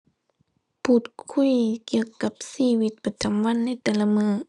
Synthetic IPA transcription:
pʰuː˧˩t̪̚kʰu˧˥˨jki˧əwka˧˦p̚siː˧wi˧˦t̪̚pa˧t̪ʰa˨˧˦mwa˧˥˨nːa˧˥˩jt̪ɛː˧˦la˧mɯː˧˩˨

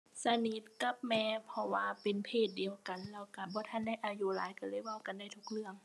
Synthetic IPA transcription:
sa˧ni˧˥t̪̚ka˧˦p̚mɛː˧pʰɔ˧waː˧pe˨npʰeː˧˩t̪̚di˨əwka˨nlɛː˧˩wka˧˩bɔː˧˦t̪ʰa˧˥˨nda˧˥˩jʔaː˧ju˧la̰ː˨˦jka˧˩lɤː˧˥˨jwa˧˥˨wka˨nda˧˩jt̪ʰu˧k̚lɯ˧˩əŋ

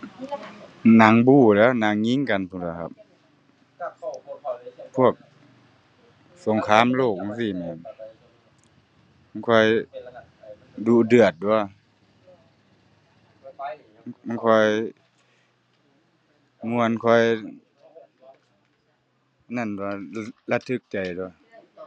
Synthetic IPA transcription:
na˨˦ŋbuː˧˩lɛː˧˥˨wna˨˧˦ŋːi˧˥ŋka˨npʰu˧˨sa˧˩kʰa̰˧˦p̚ | pʰu˧˥˩ək̚ | so˨˦ŋkʰaː˧˥˨mloː˧˨˩k̚ma˧˨ŋsiː˧˩˨mɛ˧˩ | ma˧˩nkʰɔ˧˩j | duː˧dɯ˧˩ət̪̚du˧ə˨ | a˧˨kʰɔ˧˩j | mu˧ə˨nkʰɔ˧˥˩j | na˧˩nu˧la˧˥t̪ʰːɯ˧˥˩k̚t͡ɕa˨jt̪u˧ə˧˦˩

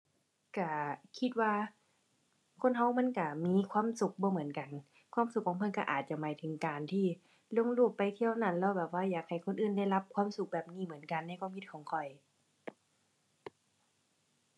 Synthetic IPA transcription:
ka˧˩kʰi˧t̪̚waː˧ | kʰo˧˥˨nɦa˧˩wma˧˥˨nka˧˩miː˧˥˨kʰwaː˧˥˨msu˨˩k̚bɔː˧˦mɯ˩˦ənka˨n | kʰwaː˧˥˨msu˨˩kʰːɔː˧˦mpʰɤ˧˥nka˧˩ʔa̰ː˨˩t̪̚t͡ɕa˧˩maː˨˦jt̪ʰɯ˨˩˦ŋkaː˨˩nt̪ʰiː˧˩ | lo˧˥˨ŋluː˧˩pːa˨˩jt̪ʰi˧˥˨əwna˧˩˨nlɛː˧˥˩wbɛː˨˩p̚waː˧˨jaː˨˩k̚ha˨˩jkʰo˧˥˨nʔɯː˧˩˨nda˧˥˩jla˧˥p̚kʰwaː˧˥˨msu˧˦k̚bɛː˨˩p̚niː˧˩mɯ˩˦ənka˨nːa˧˥˨kʰwaː˧˥˨mkʰi˧˥t̪̚kʰɔː˨˦ŋkʰɔ˨˩j

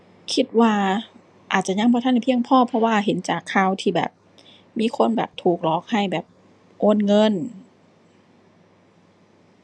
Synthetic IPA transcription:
kʰi˧˥t̪̚waː˧˩ | ʔaː˨˩t̪̚t͡ɕa˧˨ɲa˧˥˨ŋbʰɔ˧t̪ʰa˧˥˨hpʰi˧əŋpʰɔː˧˥˨pʰɔ˧waː˧˨ɦe˨˦nt͡ɕaː˨˩kʰːaː˧˩˨wt̪ʰiː˧˩bɛ̰ː˨˩p̚ | miː˧˥˨kʰo˧˥˨nbɛ̰ː˨˩p̚t̪ʰuː˨˩k̚lɔː˨˩k̚ha˧˩jbɛː˨˩p̚ | ʔoː˧˥˨nŋɤ˧˥˨n

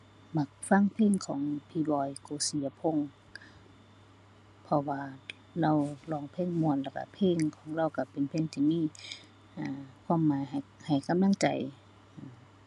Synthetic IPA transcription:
ma˧˩k̚fa˧˥˨ŋpʰeː˧˥˨ŋkʰɔː˨˦ŋpʰiː˧bɔː˧˩jkoː˧˦si˨˦ɐpʰo˧˥˨ŋ | pʰɔ˧waː˧ | la˧˥˨wlɔː˧˨ŋpʰeː˧˥˨ŋmu˧˨ə˨nlaː˧˩ka̰˧˩pʰeː˧˥˨ŋkʰɔː˨˦ŋɾa˧˥˨wka˧˩pe˨npʰeː˧˥˨ŋt̪ʰiː˧˨miː˧˥˨ | ʔaː˨˩kʰwaː˧˥˨mːaː˨˦jɦa˨ha˨˩jka˧˨mla˧˥ŋt͡ɕa̰˨˦j | ʔa˧˩

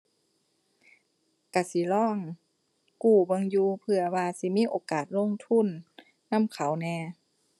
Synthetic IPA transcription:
ka˧˩si˨˦lɔː˧˥˨ŋ | kuː˧˩bɤ˧ŋjuː˧pʰɯ˧ɐwaː˧si˨˦miː˧˥˨ʔoː˧˦kaː˨˩t̪̚lo˧˥˨ŋt̪ʰu˧˥˨nː | a˧˥˨mkʰa˨˦wnɛː˧

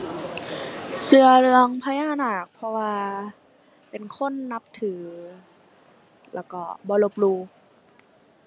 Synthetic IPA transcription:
sɯ˧ɐɾɯ˧əŋpʰaː˧˦jaː˧˥˩naː˨˩k̚pʰɔ˧waː˧ | pe˨˩nkʰo˧˥˨nːa˧p̚t̪ʰɯː˩˦ | lɛ̰ː˧˩kɔː˧˩bɔː˧˦lo˧p̚luː˧˩

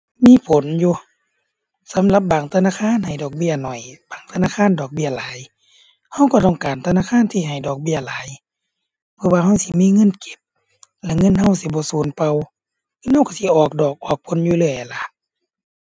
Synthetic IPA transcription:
miː˧˥˨pʰo˨˦njuː˧ | sa˨˦mla˧˦p̚baː˨˩ŋt̪ʰa˧naː˧˨kʰaː˧˥˨nha˨˩jdɔː˨˩k̚bi˧˩ɐnɔ˨˩jbaː˨˩ŋt̪ʰa˧naː˧˨kʰaː˧˥˨ndɔː˨˩k̚bi˧˩ɐlaː˨˦j | ha˧˨wkɔ˧˩t̪ɔː˧˩ŋkaː˨nt̪ʰa˧naː˧˨kʰaː˧˥˨nt̪ʰiː˧˩ɦa˨˩jdɔː˨˩k̚bi˧˨ɐlaː˨˦j | bʰɯː˧˨waː˧ha˧˥˨wsi˧˦miː˧˥˨ŋɤ˧˥˨nke̥˧˦p̚ | lɛ˧˩ŋɤ˧˥˨nha˧˩wsi˧˦bɔː˧˦suː˨˦npa˧w | kɯː˧˥nha˧˩wka˧˦si˧˦ʔɔː˨˩k̚dɔː˨˩k̚ʔɔː˨˩k̚pʰo˨˧˦njuː˧˦lɯ˧˩əjʔa˨la˧˦ʔ

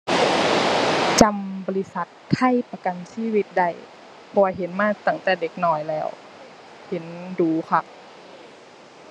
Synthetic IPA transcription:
t͡ɕa˧mbɔː˧li˧˥sa˧˦t̪̚kʰa˧˥˩jpa˧ka˨nsiː˧˥˨wi˧˥t̪̚da˧˩j | pʰɔː˧ɦe˨˦nmaː˧˥˨t̪a˧˩ŋt̪ɛː˨˩de˧˦k̚nɔː˧˩jlɛː˧˩w | he˨˦nduː˨˦kʰa˧˥p̚

